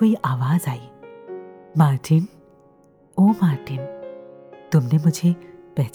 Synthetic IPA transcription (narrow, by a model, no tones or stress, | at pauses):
oiʔaʋaːzaːi | maʈʰin | omaɾʈin | t̪umnemʊd͡ʒʱepɛɦt͡ɕ